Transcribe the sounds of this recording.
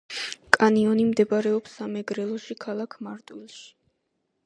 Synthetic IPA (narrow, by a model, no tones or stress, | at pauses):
kʼaniɔnimd̪ɛbaɾɛɔpsːamɛɡɾɛlˠɔʃikʰalˠakʰmaɾt̪ʼwilˠʃi̥